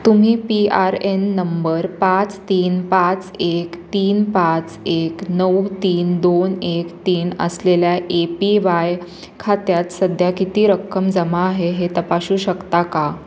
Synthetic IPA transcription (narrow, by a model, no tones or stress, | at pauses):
t̪um̤iːpiaɾenːəmbəɾpat͡st̪iːnpãt͡sekt̪iːnpãt͡seknəwt̪iːnd̪onekt̪iːnə̰sleljaʔepiʋaj | kʰat̪jat̪səd̪ʱjakit̪iːɾəkʰːəmd͡zəmaːɦeɦet̪əpaɕuːɕəkt̪aka